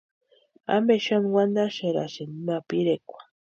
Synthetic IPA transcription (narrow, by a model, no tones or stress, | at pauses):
a̰mbeʃanwand̪aʃeɾa̰ʃenimapiɾekʷḁ